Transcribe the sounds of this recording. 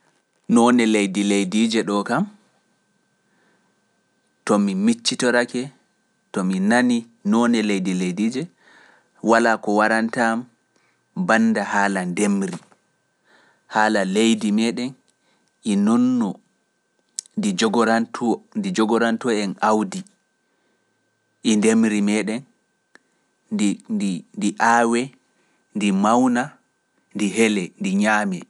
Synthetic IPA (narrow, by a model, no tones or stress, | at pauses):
nɔnɛlejdilejdid͡ʒɛɗɔkam | tɔmimit͡ʃːitɔɾakɛ | tɔminani | nɔnɛlejdilejdid͡ʒɛ | walakɔwaɾantam | banːdahaːlandemɾi | haːlalejdimɛːɗɛn | ɛnɔnːɔ | did͡ʒɔɾantʰndid͡ʒɔɡɔɾantɔɛnawdi | ʔɛndemɾimɛːɗɛn | ndiʔaːwɛ | ndimawna | ndiɦɛlɛndiɲaːmɛ